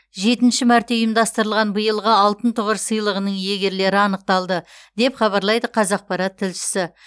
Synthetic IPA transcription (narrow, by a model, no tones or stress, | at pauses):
ʒe̞t̪ɪnʃɪmæɾt̪e̞ʊjəmd̪ɑst̪əɾəlˠʁɑnbəjəlˠʁəɑlˠt̪ənt̪ʰʊʁəɾsəjlˠəʁənəɴje̞ɡʲe̞ɾle̞ɾɪɑnəq̚t̪ɑlˠd̪ə | d̪̥e̞pχɑβɑɾlˠɑjd̪əqʰɑzɑq̚pɑɾɑt̪ʰːɪlʃɪ̥sɪ